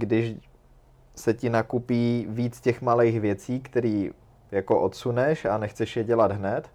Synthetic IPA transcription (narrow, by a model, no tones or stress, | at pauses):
ɡdɪʃ | sɛcɪnakupiːviːt͡scɛxmalejxvjɛt͡siːkt̪ɛɾiː | jakoʔot̪sunɛʃanɛxt͡sɛʃjɛɟɛlad̪ɦnɛt̪